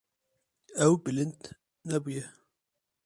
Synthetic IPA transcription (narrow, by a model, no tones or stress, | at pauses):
ɛwbɨlɨnd̪ | nɛbujɛ